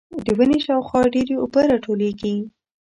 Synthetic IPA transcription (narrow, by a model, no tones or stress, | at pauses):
d̪əwəneʃɑwxwɑɖeɾeʊbəɾɑʈʰoleɡi